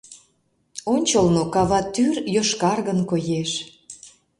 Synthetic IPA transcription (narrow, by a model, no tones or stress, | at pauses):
onʲt͡ɕəlnokɑβɑt̪yrjoʃkɑrɣənkojeʃ